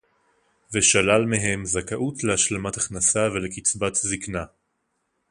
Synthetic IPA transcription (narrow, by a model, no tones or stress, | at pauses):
veʃalalmeɦe̞mzakaʔut̪lehaʃlemat̪aχnasave̞lekit͡sbat̪zikna